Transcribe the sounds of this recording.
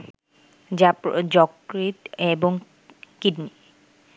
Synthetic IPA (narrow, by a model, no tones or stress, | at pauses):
d͡ʑapɾd͡ʑɔkɾit̪eboŋ | kiɖni